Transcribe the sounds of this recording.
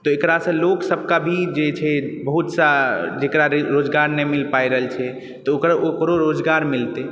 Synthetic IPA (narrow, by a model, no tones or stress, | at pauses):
t̪ɔekɾasə̃loksəb̚ʱkabʱid͡ʒet͡ʃʰɛbəɦut̪sad͡ʒekɾaɾod͡ʒɡaɾnemilpajɾəɦlt͡ʃʰɛ | t̪ɔokɾokɾoɾod͡ʒɡaɾmilt̪e